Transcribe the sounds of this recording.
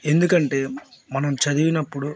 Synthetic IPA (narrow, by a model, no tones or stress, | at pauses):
e̞nd̪ukɐɳʈe̞ːmɐnɐmt͡ʃɐd̪iʋinɐpːuɽu